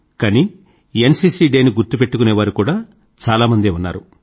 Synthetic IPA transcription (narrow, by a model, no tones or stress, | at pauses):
kani | ensiːsiːɖeːniɡuɾt̪upe̞ʈːukuneːʋaːɾukuːɽaː | t͡ʃaːlaːmɐnd̪eːunːa̰ːɾu